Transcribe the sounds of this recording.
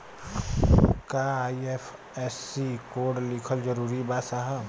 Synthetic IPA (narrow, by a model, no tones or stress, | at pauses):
kaːiefʰ | ɛːsːikoːɖlɪkʰəld͡ʒəɾuːɾibaːt̪saɦə